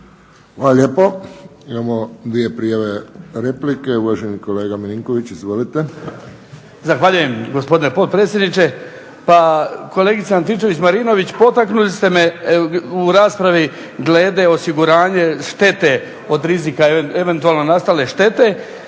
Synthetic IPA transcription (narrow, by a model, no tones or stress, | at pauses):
xʋalaʎepoimamod̪ʋijepɾijaʋeɾeplikeuʋaʒenikoleːɡaminiŋkoʋit͡ɕizʋolit̪e | zaxʋaʎuje̞mɡo̞spo̞d̪inepot̪̚pɾet̪sje̞d̪nit͡ʃe̞ | pako̞le̞ɡit̪seant̪it͡ʃe̞ʋit͡ɕmaɾino̞ʋit͡ɕpo̞t̪aknulist̪e̞meuɾaːspɾaʋi | ɡle̞ːd̪eo̞siɡuɾaːɲe̞ʃt̪e̞t̪e̞ | o̞d̪ɾizikaeʋent̪uaːlno̞nast̪ale̞ʃt̪e̞t̪e̞